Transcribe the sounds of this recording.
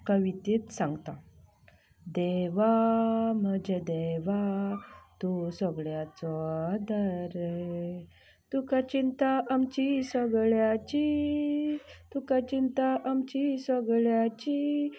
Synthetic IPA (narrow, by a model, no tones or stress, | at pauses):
kəʋit̪it̪sãŋɡt̪a | d̪eʋam̤əd͡ʑed̪eʋa | t̪usəɡɭjat͡sɔad̪əɾ | t̪ukat͡ɕint̪aamt͡ɕisəɡɭjat͡ɕi | t̪ukat͡ɕint̪aʔamt͡ɕisəɡɭjat͡ɕi